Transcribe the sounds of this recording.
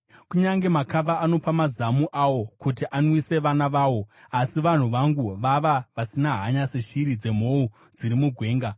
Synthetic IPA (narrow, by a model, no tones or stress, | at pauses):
kuɲaŋɡe̞makaʋaʔːno̞pamazamuʔawo̞kutiʔanwise̞ʋanaʋaːwo̞asiʋan̤uʋaŋɡuʋaʋaʋasinaɦaɲaseʃirid͡ze̞m̤o̞u | d͡zirimuɡʱwe̞ːŋɡa